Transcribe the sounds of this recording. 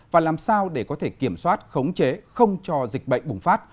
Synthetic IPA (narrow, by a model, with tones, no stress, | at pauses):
vaː˨˩laː˨˩msaː˧wɗe˧˩kɔ˨˦t̪ʰe˧˩ki˧˩əmswaː˦˥t̚xə˨˦wŋ͡mt͡ɕe˨˦xə˧wŋ͡mt͡ɕɔ˧zï˨˩k̟̚ɓə̰˧˨jŋ̟ɓʊ˨˩ŋ͡mfaː˦˥t̚